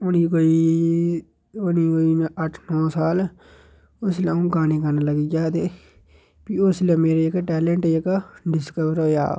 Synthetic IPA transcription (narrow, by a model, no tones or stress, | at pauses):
ʊniːkoːiː | ʊniːkoiːəʈʰnɔːsaːl | ʊslãːũːɡaːniːɡaːnaːləɡiːd͡ʒaːt̪eː | piːʊslɛ̃ːmeːɾeːɪkʈɛːlə̃ɳʈɪkɖɪskəʋəɾɦoːja̰ː